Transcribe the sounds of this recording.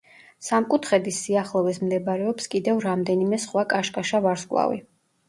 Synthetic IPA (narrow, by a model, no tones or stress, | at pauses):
samkʼut̪ʰχɛd̪isːiaχlˠɔvɛsmd̪ɛbɾɛɔpskʼid̪ɛvɾamd̪ɛnimɛsχwakʼaʃkʼaʃavaɾskʼlˠa̰vḭ